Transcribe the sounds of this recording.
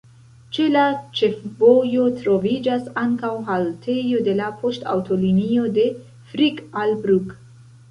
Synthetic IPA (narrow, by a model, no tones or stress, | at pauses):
t͡ʃe̞lat͡ʃe̞fbo̞jo̞tɾo̞vid͡ʒasaŋkawɦaltʰe̞jo̞de̞lapʰo̞sta̰wto̞linio̞de̞ | fɾikalbɾuk